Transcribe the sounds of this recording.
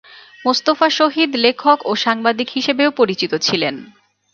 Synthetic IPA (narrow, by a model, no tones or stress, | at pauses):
must̪ofaʃoɦid̪lekʰokoʃaŋbad̪ikɦiʃebeopoɾit͡ɕit̪ot͡ɕʰilen